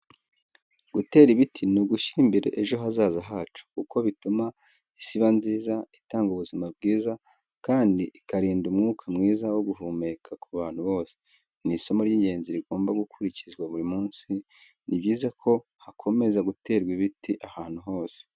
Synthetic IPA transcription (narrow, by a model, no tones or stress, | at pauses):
ɡ̥ute̞ːɾiβitʰinuɡuʃiɾimbe̞ɾe̞̰ʔeʒo̞ɦazaːzaɦaːt͡ʃu̥kuko̞βituma | isiβanziːzaitaːŋɡuβuzimab̚ɡiːza | kaːndiʔikaɾiːndumŋuːkʰamŋiːzawoɡuɦuːme̞kʰakʰuβaːn̥huβo̞ːse̥ | niso̞moɾjiːɲɟe̞ːnziɾiɡo̞ːmbaɡukʰuɾicizɡwaβuɾimuːnsi | nibɟiːzakʰo̞hakʰo̞me̞zaɡute̞ːɾɡwiβitiʔahaːn̥huɦo̞ːse̥